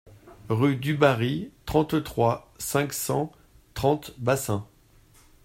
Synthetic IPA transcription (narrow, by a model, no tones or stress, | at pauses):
ʁyd̪ybaʁit̪χɑ̃t̪t̪χwa | sɛ̃ksɑ̃ | t̪χɑ̃t̪basɛ̃